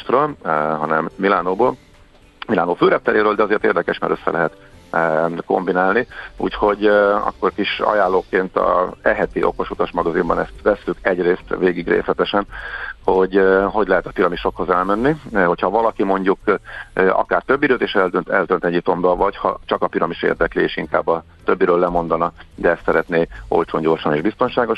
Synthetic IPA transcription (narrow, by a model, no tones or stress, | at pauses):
t̪røːlɦɒnɛmːilaːnoːboːl | milaːnoːføːɾɛp̚t̪ɛleːɾøːld̪ɛɒzeːrt̪ḛːrd̪ɛkɛʃma̰ɾʔøsːɛ̰lɛɦɛt̪ː | ko̞̰mbinaːlniṵːcho̞ɟɒ̰kːo̞rkiʃɒ̰jaːlːoːkeːnt̪ɒ̰ɛɦɛt̪iʔo̞̰ko̞ʃut̪ɒʃmɒɡɒzimbɒnɛst̪ʋɛsːykɛɟreːst̪veːɡiɡrḛːslɛt̪ɛʃɛnho̞ɟɦo̞ɟlɛɦɛt̪ɒpiɾɒmiʃo̞kho̞zɛlmɛnːiho̞chɒvɒlɒkimo̞ɲɟukʔɒ̰kaːrt̪ø̞bːiɾøːt̪eːʃɛld̪ønt̪ɛld̪ønt̪ɛɟip̚t̪o̞mbɒlvɒchɒ̰t͡ʃɒkɒpiɾɒmiʃḛːrd̪ɛklieːʃiŋka̰ːbːɒ | t̪øbːiɾøːlːɛmo̞nd̪ɒnɒd̪ɛɛst̪sɛɾɛt̪neːo̞̰lt͡ʃoːɲɟo̞rʃɒneːʒbist̪o̞nʃaːɡo̞ʃ